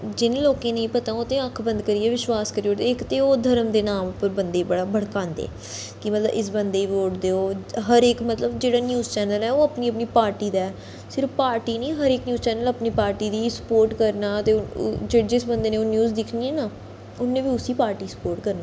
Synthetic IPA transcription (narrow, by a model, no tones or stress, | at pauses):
d͡ʒɪnːloːkẽːnə̃ĩːpət̪ãːot̪ẽːəkʰbə̃nd̪kəɾiːɛːʋɪʃʋaːskəɾioːt̪eɪkt̪eːoːd̪ʱəɾəmd̪eːnaːmʊpːəɾbənd̪eːbəɽaːbəɽkãːnd̪ḛː | kɪmət̪lə̰bɪs̬bənd̪eːiʋoːʈd̪eːoːɦəɾɪkmət̪ləbd͡ʒeːɽaːnjuːzt͡ʃɛːnəlɛːoːəpniːəpniːpaːɾʈiːd̪aːɛ | sɪɾfpaːɾʈiːniːɦəɾɪːknjuːzt͡ʃɛːnələpniːpaːɾʈiːd̪iːsə̥poːɾʈkəɾnaːət̪eːʊd͡ʒeːɽd͡ʒɪsbənd̪eːnẽːoːnjuːzd̪ɪkʰniːɛːnaː | ʊnːẽːʋiːʊsiːpaːɾʈiːsə̥poːɾʈkəɾnaː